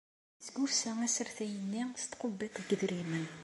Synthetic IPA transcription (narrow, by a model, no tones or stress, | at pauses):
sɡufsææsəɾθæjənːist̪qʊbːit̪ˤɡəðɾimən